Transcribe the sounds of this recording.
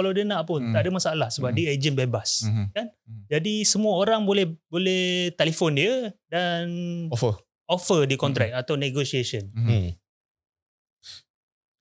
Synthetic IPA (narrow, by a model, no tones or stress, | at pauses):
kalawdiənãʔpʊnt̪aʔdəmasaːlahsəbap̚died͡ʒənbebaskand͡ʒadisəmuəoɾaŋbolɛhbolɛht̪elifondiədanfə | ofədikɔnt̪ɾɛk̚at̪awneɡosiasən